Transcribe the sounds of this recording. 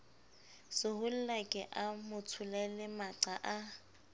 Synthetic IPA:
sɪhʊl̩lakʼɪʔamʊt͡sʰʊlɛlɪmaǀaʔa

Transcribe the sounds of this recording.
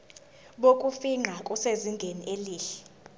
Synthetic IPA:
ɓokʼufiŋ͡ǁʱakʼuseziŋɡʱeniʔeliːɬɛ̥

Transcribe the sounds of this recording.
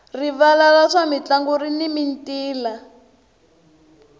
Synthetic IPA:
riβalalaʂamit͡ɬaŋɡurinimintiːla

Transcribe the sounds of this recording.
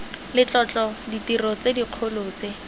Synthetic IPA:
lɪt͡ɬʼɔt͡ɬɔditirɔt͡sediq͡χʰoloːt͡se

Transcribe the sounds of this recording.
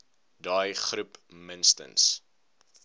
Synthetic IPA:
dɑːjχrupmənstə̰ns

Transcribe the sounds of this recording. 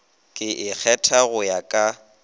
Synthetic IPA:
kʼɪʔɪk͡xʰɛtʰaɣʊjakʼa

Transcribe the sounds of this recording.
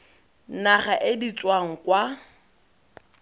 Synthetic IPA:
naχaʔɪdit͡sʼwaŋ̩kwa

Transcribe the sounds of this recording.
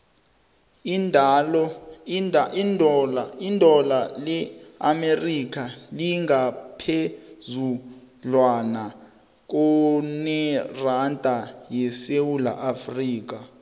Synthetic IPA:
indʱalɔ | indʱɔlaindʱɔlalɛa̰merik̬aliŋɡʱapʰezu | lwana | k̬ɔnɛrandʼʱajɛsewula̰ʔafriːk̬a

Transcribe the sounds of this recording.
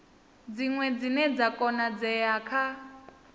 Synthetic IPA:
d͡ziŋwɛd͡zinɛd͡zakʼɔnad͡zɛjakʰa

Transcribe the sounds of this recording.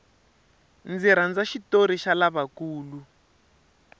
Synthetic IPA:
nd͡ziɾ̤and͡zaʃitoɾiʃalaβakuːlu

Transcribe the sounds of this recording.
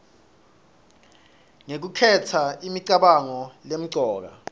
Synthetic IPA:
ŋek̬ukʰɛtʰaimiǀaɓaŋɔlem̩ǀɔːk̬a̰

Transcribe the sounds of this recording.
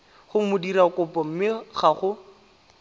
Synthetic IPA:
χʊmʊdirakʊpɔm̩mɪχaχʊ

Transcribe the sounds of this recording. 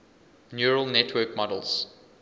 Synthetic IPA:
njuɹəlˠnɛtʰwɜkmɔdə̰lz̥

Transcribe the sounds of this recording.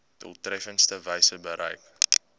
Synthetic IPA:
tə̰lˠtrɛfənstəvəjsəbəɾʔə̰jk

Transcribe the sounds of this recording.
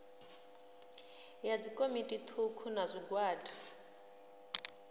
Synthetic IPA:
jad͡zikʼomitʼit̪ʰukʰunazʷiɡwaːdi

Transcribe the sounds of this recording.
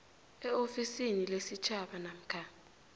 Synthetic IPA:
ɛofisinilesit͡ʃʰaɓanam̩kʰaː

